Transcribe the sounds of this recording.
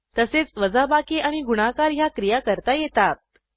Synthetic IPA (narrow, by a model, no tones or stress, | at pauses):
t̪əset͡sʋəd͡zabakiʔaɽ̃iɡuɽ̃akaɾɦjakɾijakəɾt̪ajet̪at̪̚